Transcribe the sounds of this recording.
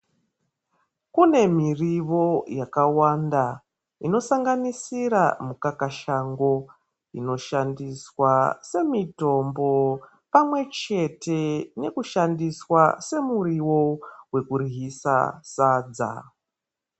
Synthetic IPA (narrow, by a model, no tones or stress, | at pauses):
kune̞miriʋo̞jakawanda | ino̞saŋɡanisiɾa̰mukakaʃaŋɡo̞ | ino̞ʃandiswase̞mito̞mbo̞ | pamwe̞t͡ʃe̞te̞ne̞kuʃandiswase̞muriwo̞we̞kuriɦisa̰sad͡za̰